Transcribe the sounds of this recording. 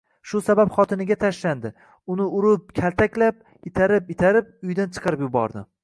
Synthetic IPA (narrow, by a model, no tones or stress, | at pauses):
ʃʊsabapχɒt̪ʰɪnɪɡʲat̪ʰaʃland̪ɪ | ʊnɪʊɾʊp̚kʲʰalˠt̪ʰakʲlap̚ | ɪt̪ʰaɾɪpɪt̪ʰaɾɪp̚ʊjd̪ant͡ʃʰɨ̥qɨɾɪpjʊbɒ̰ɾd̪ɪ